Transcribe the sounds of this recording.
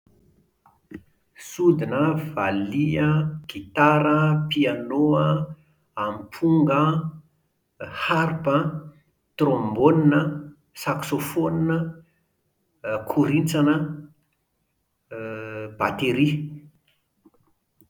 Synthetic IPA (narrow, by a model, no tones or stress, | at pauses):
sud̪inəvaliəɡ̥it̪aɾəpianoə | ampʰuŋɡə | haɾpə | t̪rõmboninə | saksofoninə | kʰuɾint͡sanə | b̥a̰t̪eɾi